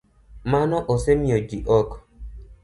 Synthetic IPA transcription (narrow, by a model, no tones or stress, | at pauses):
manɔʔosemiɔd͡ʒiʔɔk